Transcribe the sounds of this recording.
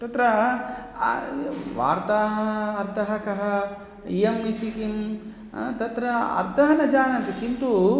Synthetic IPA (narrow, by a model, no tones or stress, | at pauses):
t̪ɐt̪ɾɐ | ʋa̰ːɾt̪aːɦɐːɾt̪ʰɐɦɐkɐɦɐ | ijɐmit̪ikim | t̪ɐt̪ɾɐɐ̰ɾt̪ʰɐɦɐnɐd͡ʒaːnɐt̪ikint̪u